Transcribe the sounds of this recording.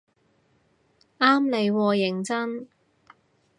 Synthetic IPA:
aː˥mle˨˧jwɔː˧jɪ˨˩ŋt͡sɐ˥n

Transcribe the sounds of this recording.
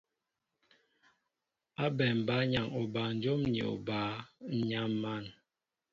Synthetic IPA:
a˦bɛ˨m˨ba˦ɲa˨ŋo˨ba˨n̩˨˦d͡ʒo˦mɲḛ˨o̰˨baː˨˦ɲa˦mma˦˨n

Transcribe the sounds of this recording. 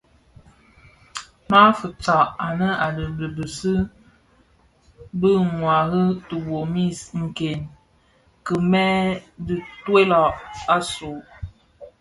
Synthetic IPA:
ma˦fə˨t͡sa˨ʔa˨nə˦a˨lə˨lə˨bə˨sɨ˦ | bə˦ŋwa˨ɣə˦tə˨wo˨mi˦˨sŋ̩˨ke˨n | kə˨mɛ˦dɨ˨twe˦lɔ˨ʔa˦so˨

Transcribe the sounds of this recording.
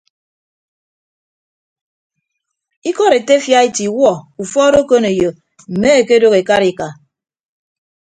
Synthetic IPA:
i˦kɔ˦ɾe˨te˦fja˦e˦ti˨wɔ˦˨u˨fɔ˦ɾo˦ko˦ne˨jo˨ | m̩˨me˦e˨ke˦do˦ɣe˨ka˦ɾi˨ka˨

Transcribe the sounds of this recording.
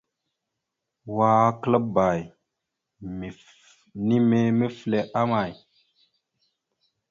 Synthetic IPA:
wa˨˦klə˦ba˨j | mi˨ | ni˦me˦me˦fle˨ʔa˦ma˨j

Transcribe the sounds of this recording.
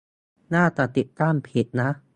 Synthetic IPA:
naː˥˩t̪a˨˩t̪i˨˩t̪ːaː˥˩mpʰi˨˩t̪̚na˦˥

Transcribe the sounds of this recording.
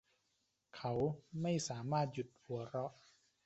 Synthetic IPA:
kʰa˦˥wma˥˩jsaː˩˦maː˥˩t̪̚ju˨˩t̪̚hu˩˦ɐ˦ɾɔ˦˥ʔ

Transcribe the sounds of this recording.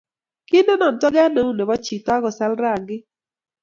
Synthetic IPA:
ki˦ndo˦nɔ˨ntɔ˦ɡɛ˦no˨˦u˦ne˨bɔ˦t͡ʃi˨ta˦ɡɔ˨sa˦lɾa˨ŋɡɪ˦

